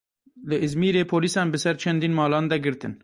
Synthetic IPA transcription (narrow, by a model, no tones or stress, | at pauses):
lɨʔɨzmiːɾeːpʰoːliːsɑːnbɨsɛɾt͡ʃʰɛnd̪iːnmɑːlɑːnd̪ɛɡɨɾt̪ɨ̰n